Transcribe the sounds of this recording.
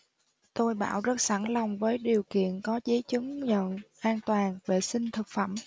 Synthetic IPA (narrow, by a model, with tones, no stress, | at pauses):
t̪o˧jɓa̰ː˧˩wzə˦˥t̚sa˧˩nla˨˩wŋ͡mvəː˨˦jɗi˨˩əwkḭ˧˨ənkɔ˨˦zə˨˦t͡ɕɨ˨˦ŋɲə̰˧˨nʔaː˧nt̪waː˨˩nve˨˩sï˧ŋ̟t̪ʰɨ˨˩k̚fə˧˩m